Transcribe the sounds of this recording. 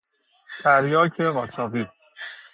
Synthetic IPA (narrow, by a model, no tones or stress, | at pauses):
t̪ʰæɾjɒːcʰeɣɒːt͡ʃʰɒːviː